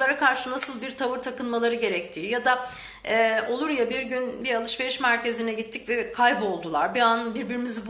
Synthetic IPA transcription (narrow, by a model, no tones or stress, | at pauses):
aɾakʰaɾʃɯnasɯlˠbiɾt̪ʰavɯɾt̪ʰakɯnmalˠaɾɯɟe̞ɾɛc̚t̪ʰiːjad̪a | ɛʔo̞lˠuɾjabiɾɟynbiɾalˠɯʃve̞ɾiʃmæɾce̞zinɛɟit̪ʰːi̥cvɛkʰajbo̞lˠd̪ulˠaɾbianbiɾbiɾimiz